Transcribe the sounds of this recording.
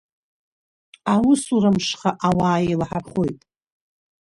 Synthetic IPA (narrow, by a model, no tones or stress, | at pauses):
awʊsurɨmʂχaʔawaːjelaħaχojtʼ